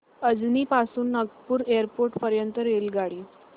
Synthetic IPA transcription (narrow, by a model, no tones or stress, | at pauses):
əd͡zniːpasuːnːəɡpuːɾeəɾpoɾʈpəɾjənt̪əɾelɡaɽiː